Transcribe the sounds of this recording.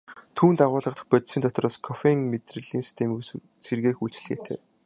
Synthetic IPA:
t̪ʰuːnt̪aʁʊːɮʁə̆χt̪ə̥̆χpœt̪siːnt̪ʰɔt̪rɔːskʰɔfeŋmet̪rɘ̆ɮiːnsi̥st̪ʰemi | serɣeːxuɮt͡ɕ̆ɮɣḛːt̪ʰḛː

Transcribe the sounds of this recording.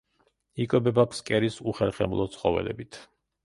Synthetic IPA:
ikʼwɛbɛbakʰskʼɛɾisuχɛlχɛ̰mlˠɔt̪sʰχɔvɛ̰lɛ̰bit̪ʰ

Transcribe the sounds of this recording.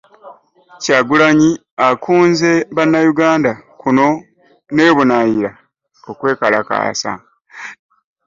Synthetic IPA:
caːɡulaɲi | akʰuːnze̞βanːajuɡaːndakuno̞ | ne̞ːβunajiɾa | okwe̞ːkalaka̰ːsa̰

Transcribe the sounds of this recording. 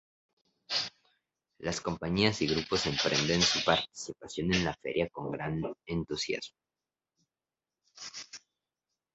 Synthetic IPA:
lasko̞mpaɲiasiɣɾupo̞se̞mpɾend̪ensupaɾt̪i̥sipasjo̞ne̞nlafe̞̰ɾʔjako̞ŋɡɾane̞nt̪usja̰z̥mo

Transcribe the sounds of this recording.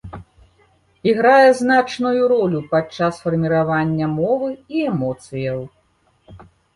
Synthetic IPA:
iɣɾajɛznat͡ʂnujuɾɔlʲupat͡ʂːasfɐrmʲiɾavanʲːɐmɔvɨiɛmɔt̪sɨjɐw

